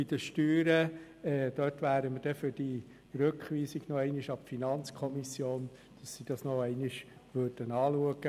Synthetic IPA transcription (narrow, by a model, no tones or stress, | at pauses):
id̪̥əʃtyːɾə | ɛːd̥̪œtʋæːɾəməd̥ɛfʏd̥i | ɾøkχʋiːsiɡ̥nɔɛɪnɪʃɑpfinɑnt͡skʰɔmisjoːn | d̥ɑsːid̥ɑsnɔɛɪnɪʃʋøɾd̥ənɑːluəɡə